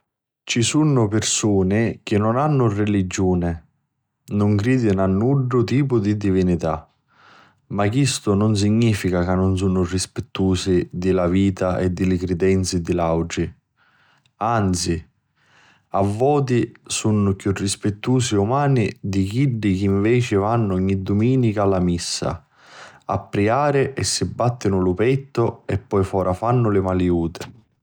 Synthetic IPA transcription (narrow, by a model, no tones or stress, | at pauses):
t͡ʃisunːʊpɪɾsuːnɪk̟ɪnːʊnanːʊrelid͡ʒːuːnɪ | nʊŋkɾiːd̪ɪnanːuɖːʊt̪iːp̬ʊd̪id̪ivinit̪a̰ | makːist̪ʊnʊns̬iɲːiːfikakanːʊns̬unʊrispɪt̪ːuːsid̪ɪlaviːt̪aʔɛd̪ːɪlɪkɾɪd̪ɛnt̪sɪd̪ilawd͡ʒi | ant̪si | avːɔːt̪̬isunːʊkjurːispɪt̪ːuːsiumaːnid̪ikiɖːik̟iɱvɛːt͡ʃɪvanːʊɔɲːid̪ːumiːnikalːamisːa̰ | a̰pːɾiaːɾɪʔɛsːibːat̪ːɪnʊlʊpɛt̪ːʊɛpːɔjfɔːɾʔafanːʊlɪmaljuːt̪ɪ